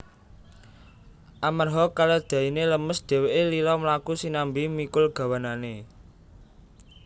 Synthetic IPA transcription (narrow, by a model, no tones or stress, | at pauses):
ʔamarɦɔkalad̪̥a̤ineləməsd̪̥ɛ̤weʔelilɔmlakusinambimikʊlɡ̥a̤wanane